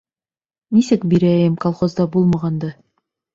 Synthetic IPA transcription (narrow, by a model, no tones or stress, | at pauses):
nisɘkbiɾæjɘmkolˠχozd̪ɑbulˠmɑʁɑnd̪ɤ